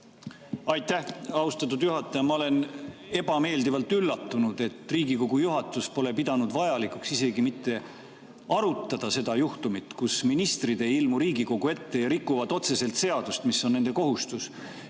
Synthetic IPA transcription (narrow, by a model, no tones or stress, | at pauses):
ɑjt̪ːˑæhɑwst̪ɑt̪ːˑud̪̥juɦɑt̪ːˑɑjɑmɑo̞le̞ne̞b̥ɑme̞ːld̪ivɑlt̪ːylːɑt̪ːunud̪̥e̞t̪ːˑriːɡiko̞ɡujuɦɑt̪ːˑuspo̞le̞pid̪̥ɑnud̪̥vɑjɑlikˑuksise̞ɡimit̪ːˑe̞ | ɑɾut̪ːˑɑd̪̥ɑse̞d̪̥ɑjuht̪umit̪kusminist̪rid̪e̞ilmuɾiːɡiko̞ɡ̥ue̞t̪ːe̞jɑɾikˑːuvɑd̪o̞t̪se̞se̞lt̪se̞ɑd̪̥ust̪misːo̞nne̞nd̪̥e̞ko̞ɦust̪us